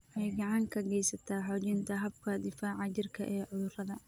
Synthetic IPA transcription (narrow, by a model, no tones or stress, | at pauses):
ʔɛjɡɐʕɑŋkʰɐɡɛjsɐt̪ʰaːħɔːt͡ʃɪnt̪ʰɐɦɐb̚kʰɐd̪ɪfaːʕɑt͡ʃɪrkʰɐ̰ʔɛːʕʊðʊrɐðɐ